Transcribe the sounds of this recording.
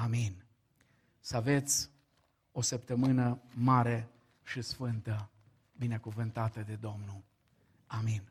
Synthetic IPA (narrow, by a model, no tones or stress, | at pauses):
amin | səave̞t̪sʲ | o̞səp̚t̪əmɨnəmaɾe̞ | ʃisfɨnt̪ə | bine̞kuvɨnt̪at̪əd̪e̞d̪o̞mnul | amin